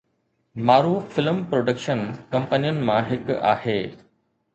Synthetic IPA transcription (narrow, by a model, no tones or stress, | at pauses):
maːɾuːfɪlmpɾoːɖəkʃənkɐ̃mpənijʊnɪ̆mãɦɪka̰ːheː